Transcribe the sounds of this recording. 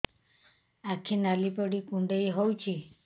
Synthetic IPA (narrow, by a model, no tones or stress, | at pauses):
akʰinalipɔɽikũɳɖejɦowt͡ʃʰi